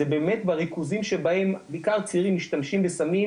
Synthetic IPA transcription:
ebeːmet̪baʁikuzimʃebahe̞mbeikaʁt͡siʁimːiʃtamʃimbesami

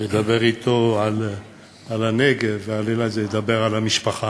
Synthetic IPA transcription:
ned̪abe̞ʁit̪oʕal | alaneɡevvealelajzeed̪abe̞ʁalamiʃpaχa

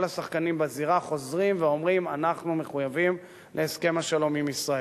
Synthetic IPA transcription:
lasaχkanimbeziʁaχo̞zʁimveo̞mʁimanaχnume̞χujavim | lʔeːske̞maʃalo̞mimisʁae

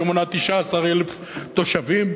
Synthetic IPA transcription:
monat̪iʃaːsaʁelef | t̪oʃavim

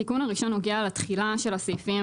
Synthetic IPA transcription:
ikunaʁiʃo̞nːoɡiaːlat̪χilaʃe̞lasejfim

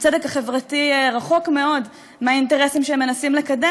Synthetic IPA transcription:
t͡sedekaχevʁatiʁaχo̞kme̞o̞d | meainte̞ʁesimʃeemːe̞nasimle̞kade

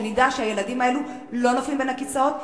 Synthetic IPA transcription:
nidaʃeaje̞ladimaelu | lo̞noflimbenakit͡sao̞t̪̚

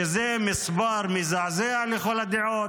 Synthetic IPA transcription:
ezemisbaɾmizaʕzealexolad̪iʕot̪

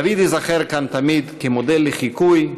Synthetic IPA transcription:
avid̪izaχeɾkant̪amid̪kemod̪elːeχikuj

